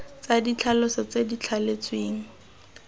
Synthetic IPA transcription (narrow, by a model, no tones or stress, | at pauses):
t͡sadit͡ɬʰalʊsɔt͡sedit͡ɬʰalet͡sʼweːŋ̩